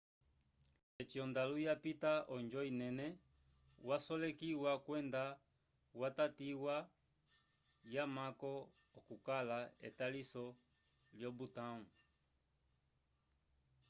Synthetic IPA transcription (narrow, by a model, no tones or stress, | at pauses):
ɛt͡ʃiɔndalujapitaɔnd͡ʒɔinɛnɛ | wasɔlɛkiwakwɛnda | watatiwa | jamakɔ | ɔkukalaɛ̰talisɔ | ljɔbutaŋu